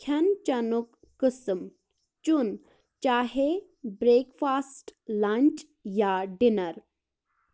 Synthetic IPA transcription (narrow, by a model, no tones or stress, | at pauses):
kʰɐnt͡ʃɐnukːɪsm | t͡ʃun | t͡ʃaːɦe | bɾeːkfaːsʈlant͡ʃ | jaɖɪnɐɾ